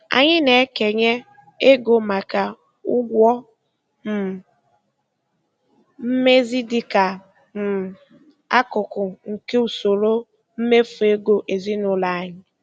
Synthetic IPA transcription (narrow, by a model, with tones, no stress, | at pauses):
a̰˨ɲɪ˦ne˨˦ke˨ɲe˦ | e˦ɡo˨ma˨ka˨ | ʊ˦ɡʷɔ˦ | m̩˨ | m̩˦me˦zi˦dɪ˦ka˨ | m̩˨ | a˦kʊ˨kʊ˨ŋ̩˨ke˦u˨so˨ɾo˦ | m̩˦me˦fu˨e˦ɡo˨ʔe˨zi˦nʊ˦la˨a˨ɲɪ˦